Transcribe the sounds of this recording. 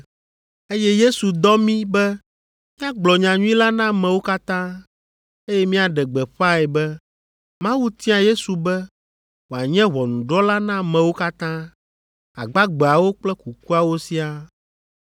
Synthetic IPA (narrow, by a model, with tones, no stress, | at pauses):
e˦jɛ˦je˦su˨d̪ɔ˦mĩ˦bɛ˦ | mĩ˦a˦ɡ͡blɔ˨ɲã˨ɲũ˦ĩ˦la˦nã˦mɛ̃˨wo˦ka˦t̪ã˦ | e˦jɛ˦mĩ˦a˨ɖɛ˨ɡ͡bɛ˨ɸa˦ɛ˨bɛ˦ | mã˦wu˦t̪ĩ˦a˨je˦su˨bɛ˦ | wo˨a˨ɲɛ̃˦βɔ˨nũ˨ɖɔ˦la˦nã˦mɛ̃˨wo˦ka˦t̪ã˦ | a˨ɡ͡ba˦ɡ͡bɛ˨a˨wo˦k͡plɛ˦ku˨ku˦a˨wo˦si˦a˨